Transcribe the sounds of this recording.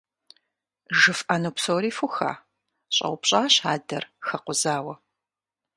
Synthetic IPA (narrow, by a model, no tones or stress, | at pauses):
ʒɨfanupsoːɾiːfuxa̰ː | ɕʼɐ̰wʷʊpɕʼaːɕaːdɐrxɐqʷʊzaːwɐ